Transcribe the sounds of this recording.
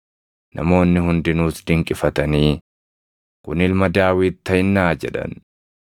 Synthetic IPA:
nʔɐ̰mo̞ːnːɪhʊnd̪ɪnuːsd̪ɪŋkʼɪfɐt̪ɐniː | kʊnɪlmɐd̪aːwiːt̪ːɐjɪnːaːd͡ʒɛᶑɐ̰n

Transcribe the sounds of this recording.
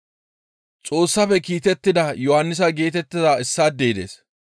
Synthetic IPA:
t͡sʼo̞ːsːɐfɛkiːt̪ɛt̪ːɪd̪ɐjɔhɐnːɪs̬ɐɡe̞ːt̪ɛt̪ːɪzaːɪsːaːd̪ːeːd̪ḛːs

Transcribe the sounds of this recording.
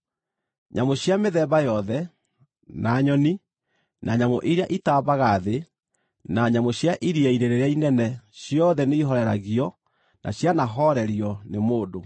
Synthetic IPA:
ɲamoɕjameðɛβajɔðɛ | naːɲɔni | nʔaɲamoʔiɾeaʔitaːβaɣaðe | naɲamoɕjaʔiɾiaiɾeɾeɾeainɛnɛɕjɔðɛneiɦɔɾɛɾa̰ɣiɔ | nʔa̰ɕjanaɦɔɾɛɾiɔnemoːdo

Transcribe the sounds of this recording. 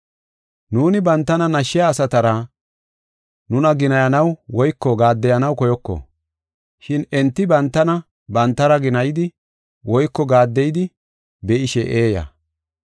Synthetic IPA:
nuːnɪbɐnt̪ːɐnɐnɐʃːɪjaːsɐt̪ɐɾɐ | nʊnɐɡɪnɐjɐnɐwwɔjkːɔɡaːd̪ːɛjɐnɐwkɔjɔkːɔ̰ | ʃɪnɛnt̪ːɪbɐnt̪ːɐnɐ | bɐnt̪ːɐɾɐɡɪnɐjɪd̪ɪ | wɔjkːɔɡaːd̪ːɛjɪd̪ɪ | bɛʔɪʃɛʔeːjɐ̰

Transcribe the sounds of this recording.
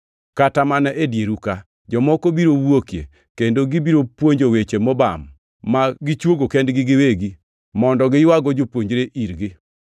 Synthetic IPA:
katamanɛʔedjeɾuka | d͡ʒɔmɔkobiɾowwokjḛ | kendoɡibiɾopwoɲd͡ʒowet͡ʃemɔbamː | aɡɪt͡ʃwoɡokɛndɡɪɡɪweɡi | mɔndɔɡɪjwaɡɔd͡ʒopwoɲd͡ʒɾeʔiɾɡɪ

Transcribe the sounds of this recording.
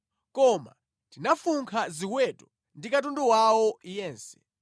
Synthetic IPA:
kɔma̰ | tinafuŋkʰaziwɛtɔ | ndikatundɔwawɔjɛːnsɛ̥̰

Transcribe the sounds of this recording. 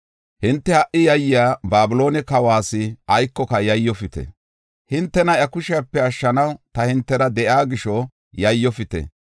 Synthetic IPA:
hɪnt̪ːɛhɐʔɪjɐjːɪaːbaːbɪlo̞ːnɛkɐwaːsɪɐjkːɔkɐjɐjːɔfɪt̪ɛ̰ | hɪnt̪ːɛnɐɐkʊʃɪjapːɛɐʃːɐnɐwt̪ɐhɪnt̪ːɛɾɐd̪ɛʔaːɡɪʃɔ | jɐjːɔfɪt̪ɛ̰

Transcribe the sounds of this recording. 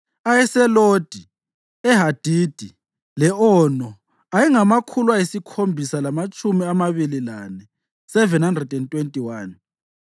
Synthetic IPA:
ajɛsɛlod̥ʱi | ɛɦad̥ʱid̥ʱi | lɛɔnɔ | ajiŋamakʰulwaisikʰombʱisalamat͡ʃʼumiamaβililanɛ | sɛvɛnhandrɛdɛntʼwentʼiwaːn

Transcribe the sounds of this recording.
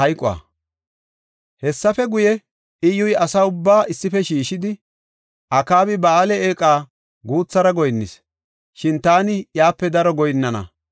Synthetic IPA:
ɐjkʼʊa̰ː | hɛsːɐfɛɡʊjɛ | ʔɪjʊjɐsɐʊbːaːʔɪsːɪfɛʃiːʃɪd̪ɪ | ʔɐkaːbɪbɐːlɛeːkʼaː | ɡuːt͡sːɐɾɐɡɔjnːɪs | ʃɪnt̪aːnɪjaːpːɛd̪ɐɾɔɡɔjnːɐnɐ̰

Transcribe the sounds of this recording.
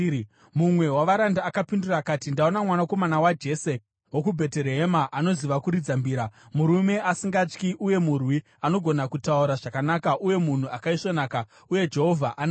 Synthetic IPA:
mumwe̞waʋaɾandaːkapindurakaːtindao̞namwanako̞manawad͡ʒe̞ːse | wokubʱe̞teɾeɦemaʔano̞ziʋakuɾid͡zambiːɾamuɾume̞ʔasiŋɡat͡ʃkiʔuje̞murwi | ano̞ɡʱo̞nakutauɾaʐakanakaʔuje̞mun̤uakaiʂonaːka | uje̞d͡ʒe̞ɦo̞vʱaʔana

